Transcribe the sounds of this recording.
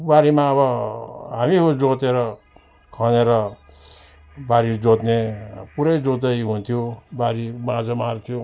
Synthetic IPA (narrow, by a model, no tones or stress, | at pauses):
baɾimaːβʌɦamiɦod͡zot̪eɾʌ | kʰʌneɾʌ | baɾid͡zot̪nepuɾʌjd͡zot̪ʌjɦunt̪ʰijobaɾibãd͡zʌmart̪ʰijo